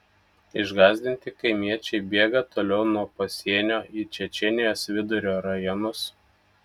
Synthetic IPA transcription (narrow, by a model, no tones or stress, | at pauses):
ɪʒɡɑːzʲd̪ʲɪnʲt̪ʲɪkɐɪmʲiɛt͡ʃʲɛɪbʲeːɡɐt̪oːlʲɛʊnuɔpɐsʲiɛnʲoːʔit͡ʃʲɛt͡ʃʲɛnʲɪjoːsʋʲɪd̪ʊɾʲoːɾɐjɔnʊs